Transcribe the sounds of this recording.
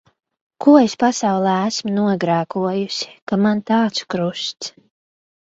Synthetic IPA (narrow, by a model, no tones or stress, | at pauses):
kʰuɔespasawlˠɛːæsmunuɔɡɾæːkuɔjusi̥kamant̪aːt̪su̥kɾust̪s